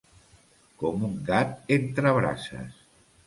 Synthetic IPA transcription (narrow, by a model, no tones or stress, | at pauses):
komuŋɡat̪̚ent̪ɾəβɾa̰sə̰s